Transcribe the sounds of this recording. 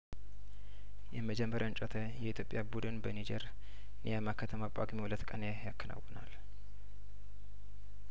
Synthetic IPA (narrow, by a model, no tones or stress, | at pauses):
jɛməd͡ʒɛmːəɾʔant͡ʃʼot̪ʰəjɛit̪ʰjo̞pʼjabud̪ɨnbənid͡ʒɛɾ | nijamakːət̪ʰəmakʼaɡmihulət̪ːkʼənejakʰːəna̰wːənal